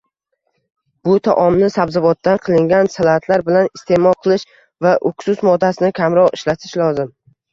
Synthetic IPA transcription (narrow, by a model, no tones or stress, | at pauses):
b̥ʊt̪ʰa̰ʔɒmnɪsabzavɒt̪ːanqʰɨlˠɪŋɡʲansalat̪ʰlaɾbɪlanɪst̪ʰe̞mɒlˠqʰɨlˠɪʃ | vaʔʊksʊsmɒd̪ːasɪnɪkʲʰamɾɒʁɪʃlat̪ʰɪʃlɒzɪm